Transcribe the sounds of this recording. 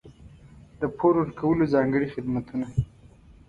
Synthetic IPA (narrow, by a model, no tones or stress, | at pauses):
d̪̥əpʰoɾʊɾkʰawəlozɑŋɡəɽixɪd̪mat̪ʰuna